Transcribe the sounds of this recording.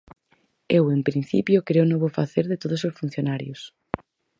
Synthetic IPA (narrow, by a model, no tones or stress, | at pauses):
ewempɾĩn̟θḭpjokɾeonoβofaθeɾðet̪oð̞ososfun̟θjonaɾjos